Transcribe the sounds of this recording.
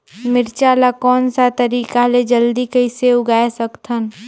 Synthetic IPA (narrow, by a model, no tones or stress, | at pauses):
mɪɾt͡ʃaːlakɔːnsat̪əɾiːkaled͡ʒəld̪ikəɪseʊɡaːesəkt̪ʰən